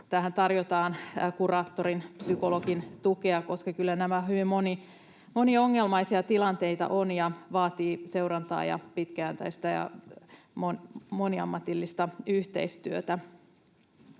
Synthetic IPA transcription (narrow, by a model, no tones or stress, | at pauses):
t̪æhænt̪ɑrjot̪ɑːnkurɑːt̪ːoɾinpsykolo̞kint̪ukeɑko̞skɑkylːænæmæɦyʋimmoni | mo̞niɑoŋːelmɑjsiɑt̪ilɑnt̪e̞it̪ɑ̰ʔonjɑʋɑːt̪iːse̞uɾɑnt̪ɑ̰ːjɑ̰pit̪kæænt̪æ̰ist̪æjɑ̰ | monmoniɑ̰mːɑt̪ilːist̪ɑyht̪e̞̰ist̪yøt̪æ